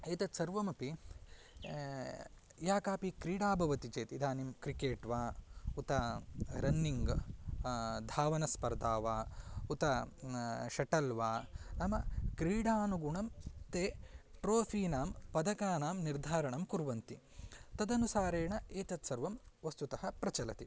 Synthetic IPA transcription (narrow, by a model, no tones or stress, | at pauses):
eːt̪ɐt̪sɐɾʋɐmɐpi | jaːkaːpikɾiːɽaːbʱɐʋɐt̪it͡ʃeːt̪id̪aːnimkɾikeːʈʋaːut̪ɐɾɐnːiŋɡ | d̪ʱaːʋɐnɐspɐɾd̪aːʋaːut̪ɐ | ʃɐʈɐlʋaːnɐmɐkɾiːɽaːnuɡuɳɐmt̪eːʈɾoːfʰiːnaːmpɐd̪ɐkaːnaːmniɾd̪ʱaːɾɐɳɐmkuɾʋɐnt̪it̪ɐd̪ɐnusaːɾeːɳɐeːt̪ɐt̪sɐɾʋɐmʋɐst̪ut̪ɐhɐpɾɐt͡ʃɐlɐ̰t̪i